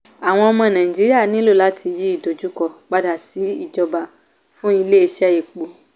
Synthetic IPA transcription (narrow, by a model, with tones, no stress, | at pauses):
a˨w̃ɔ̃˧ɔ˧mɔ̃˧˨nã˨ĩ˨d͡ʒi˨˦ɾi˦a˦˨nĩ˨˦lu˦˨la˨˦tʰi˧ji˦i˦˨do˨d͡ʒu˨˦kɔ˦˨k͡pa˧da˨si˨˦i˦˨d͡ʒɔ˧ba˨ | fũ˦i˧le˦i˧˦ʃɛ˦e˨k͡po˨